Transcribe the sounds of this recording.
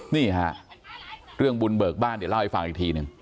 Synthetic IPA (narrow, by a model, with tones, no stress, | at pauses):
niː˥˩ha˦˥ʔ | ɾɯ˥˩əŋbu˧nbɤː˨˩k̚baː˥˩nd̪la˥˩wha˦˩jfa˨˩ŋʔiː˨˩k̚t̪ʰiː˧nɯ˨˧ŋ